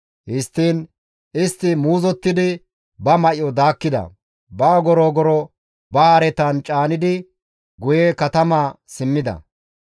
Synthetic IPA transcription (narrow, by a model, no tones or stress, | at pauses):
hɪst̪ːiːn | ɪst̪ːɪmuːzɔt̪ːɪd̪ɪ | bɐmɐʔɪɔd̪aːkːɪd̪ɐ̰ | baːɡɔɾɔːɡɔɾɔ | bɐhaɾɛt̪ant͡ʃʼaːnɪd̪ɪ | ɡʊjekɐt̪ɐmaːsɪmːɪd̪ɐ̰